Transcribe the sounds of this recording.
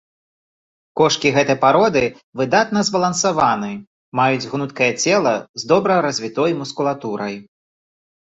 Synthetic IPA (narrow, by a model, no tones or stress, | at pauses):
kɔʂkʲiɣɛt̪ɐjpaɾɔd̪ɨ | vɨd̪at̪nɐzbɐlˠɐnsavanɨ | majud͡zʲɣnut̪kɐjɐt͡sʲɛlˠɐzd̪ɔbɾɐjɾɐzʲvʲit̪ɔjmuskulˠat̪uɾɐj